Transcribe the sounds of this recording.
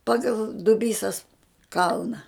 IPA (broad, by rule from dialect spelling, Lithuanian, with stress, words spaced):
ˈpɑːɡɐlˠ dʊˈbʲiːsɐs ˈkɐlˠnɐ